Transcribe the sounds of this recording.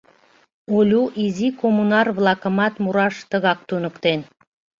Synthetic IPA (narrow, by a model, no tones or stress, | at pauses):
olʲuʔizikomunɑrβlˠɑkə̆mɑt̪muɾɑʃt̪əɣɑk̚t̪unə̆kt̪en